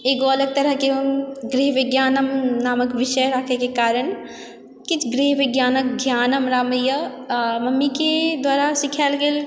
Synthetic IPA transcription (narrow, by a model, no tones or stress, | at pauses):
eːɡoɐləɡ̚t̪ɐɾəɦkeunɡɾiɦʋɪɡjaːnəmnaːməkʋɪʃəjɾakʰekekaːɾəɳ | kɪt͡ʃʰɡɾiɦʋɪɡjaːnək̚ɡʱjaːnəmɾaːməjə | mɐmːiked̪waːɾasikʰaːlɡeːl